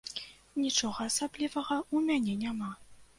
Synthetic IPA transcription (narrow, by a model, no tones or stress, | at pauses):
nʲit͡ʂɔɣɐasablʲivɐɣɐumʲanʲɛnʲama